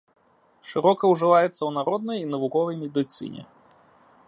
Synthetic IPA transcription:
ʂɨɾɔkɐwʐɨvajɛt̪sːɐwnaɾɔd̪̚nɐjinɐvukɔvɐjmʲɛd̪ɨt̪sɨ̰nʲɛ̰

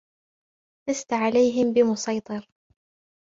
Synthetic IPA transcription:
tast̪aʕalajɦɪmbɪmʊsɑjt̪ˤɑɾ

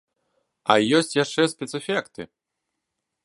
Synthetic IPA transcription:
ɐjɔsʲt͡sʲjaʂt͡ʂɛsʲpʲɛt̪sɨfʲɛkt̪ɨ̰

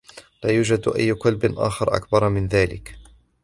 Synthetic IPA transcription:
laːjuːd͡ʒad̪ʔa̰jːʊkʊlbɪnʔa̰ːxɑɾˤʔa̰kbɑɾˤmɪnðaːlɪ̰k

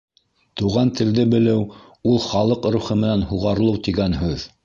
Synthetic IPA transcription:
t̪uʁɑnt̪ɘ̆ld̪ɘbɘ̆lɘw | ulˠχɑlˠɤqɾuχɤmɘ̆nænhuʁɑɾɤlˠɤwt̪iɡænɦʉð

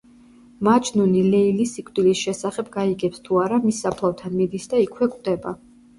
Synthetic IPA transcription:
mat͡ʃʰʼnunilɛilisikʼwd̪ilisʃɛsaχɛbɡaiɡɛpst̪ʰuaɾamisːapʰlˠavt̪ʰanmid̪isd̪aikʰwɛkʼwd̪ɛba

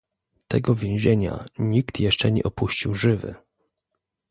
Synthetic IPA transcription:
t̪ɛɡɔvʲjẽw̃ʑeɲa̰ɲikt̪jɛʂt͡ʂɛɲɛ̰ʔɔpuɕt͡ɕiwʐɘvɘ̰

